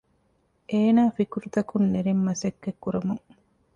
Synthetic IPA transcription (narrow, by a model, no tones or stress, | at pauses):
ʔeːnaːfikuɾut̪ɐkunːeɾemːɐsɐkːekːuɾɐmuŋ